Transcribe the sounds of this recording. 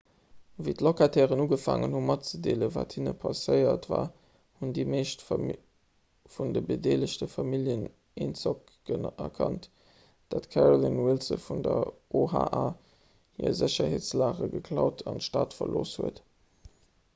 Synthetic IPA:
viːtlokatʰɛːʁənuːɡəfa̰ːŋənhumɑtt͡sədeːləvaːthinəpʰɑsəɪɐtvaː | hundiːmeːɕt | fundəbədeːləɕtəfɑmiljən | ent͡sɔk | ənɛkʰɑnt | d̥atkʰæʁolinwilsəfundɐʔoɦaːʔaː | hiːɐzəɕɐheːt͡slaːʁəɡəkʰlɑʊtʰɑntʃtaːtfɐlʔoːshuət

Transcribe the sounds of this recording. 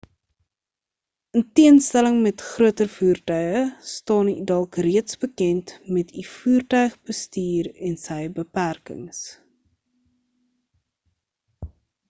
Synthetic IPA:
əntiənstæləŋmɛtχruətərfuːrtœɥəstɑːnidɐlˠkriətsbəkɛntmɛtʰifuːrtœɥχbəstiːrɛnsɛjbəpærkə̰ŋs

